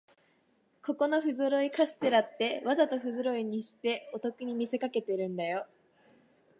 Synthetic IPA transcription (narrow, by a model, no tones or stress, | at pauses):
ko̞ko̞no̞ɸɯ̟zɨɾo̞ikasɨ̥t̪e̞ɾat̪ːe̞βazat̪o̞ɸɯ̟zɨɾo̞iɲ̟iɕi̥t̪e̞o̞t̪o̞kɯ̟ɲ̟imʲise̞kake̞t̪e̞ɾɯ̟̃nd̪ajo̞